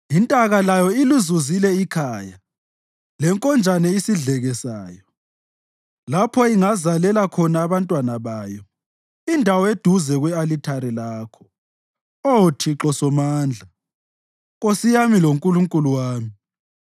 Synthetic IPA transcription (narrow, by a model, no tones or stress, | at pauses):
intʼaɣalajɔiluzuzilɛikʰaːja | lɛŋkʼɔnd͡ʒʱanɛisiɮɛɣɛsaːjɔ | lapʰɔiŋazalɛlakʰɔnaːβantʼwanaβaːjɔ | indʱawɔed̥ʱuzɛɣwɛalitʰaɾɛlaːkʰɔ̥ | otʰiǁɔsɔmaːnd͡ɮʱa | ɣosijamiloŋkʼuluŋkʼuluwaːmi